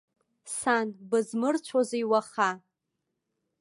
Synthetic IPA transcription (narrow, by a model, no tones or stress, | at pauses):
sanbɨzmɨrt͡ʃʷʰozejwaχa